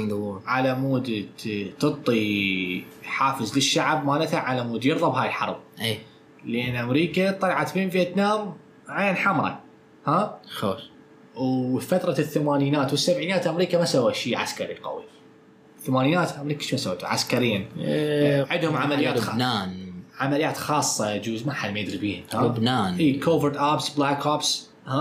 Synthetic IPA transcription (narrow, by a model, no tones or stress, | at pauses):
ʕalamuːd̪t̪ɨt̪ˤːi | ħaːfəzləʃːaʕbmaːlat̪aʕalamuːd̪jɪɾðˤɑbɦaːjɪlħɑ̰ɾˤb̚ʔej | lʔenːʔamɾiːkat̪ˤɑlʕat̪beːmfiʔat̪naːm | ʕaːanħamɾˤɑ̰ | haːxo | wfat̪ɾˤɑθːamaːniːnaːt̪wɪsːabʕiːnaːt̪ʔamɾiːkamasawːaʃiːʕa̰skaɾiqɑ̰wḭ | θamaːniːnaːt̪ʔamɾiːkaʃmasawːeːt̪ṵʕa̰skaɾɪjːan | ʕɪd̪hʊmʕamalɪjːaːt̪naːnʕamalɪjaːt̪xɑːsˤːɑd͡ʒuːzmaħalmajɪd̪ɾibiːhhaʊbnaːnʔiːkʰoːvəɾt̪ʔaːbsblaːkaːbs | ha